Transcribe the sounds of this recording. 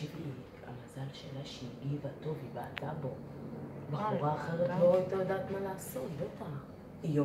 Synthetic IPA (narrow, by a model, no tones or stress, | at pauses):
itminikʰa̰mazalʃelaʃeiɡivat̪o̞vivaat̪abo̞ | baχuʁaːχeʁet̪loajt̪ajod̪aːt̪malaːsotbet̪a | jo